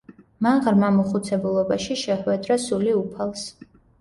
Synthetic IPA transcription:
maʁɾmamuχut̪sʰɛbulˠɔbaʃiʃɛχwɛd̪ɾasuliupʰalˠs

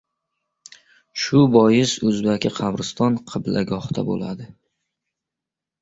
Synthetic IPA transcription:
ʃʊbɒjɪsɵzbakʲʰɪqʰɑbɾɪst̪ɒnqʰɨblaɡɒht̪ʰa̰bo̰la̰d̪ɪ

